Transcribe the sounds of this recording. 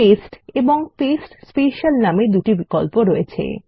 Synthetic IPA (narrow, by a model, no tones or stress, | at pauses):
esʈeboŋpesʈspeʃalnamed̪uʈibikolpoɾɔet͡ɕʰḛ